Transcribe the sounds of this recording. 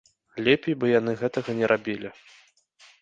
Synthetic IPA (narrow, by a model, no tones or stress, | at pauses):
lʲɛpʲejbɨjanɨɣɛt̪ɐɣɐnʲɛɾʔabʲilʲi